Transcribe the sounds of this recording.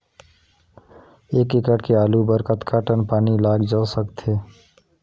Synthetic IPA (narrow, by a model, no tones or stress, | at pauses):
eːkekəʈkeaːlubəɾkət̪kʰaːʈənpaːnilaːɡd͡ʒaːsəkt̪eː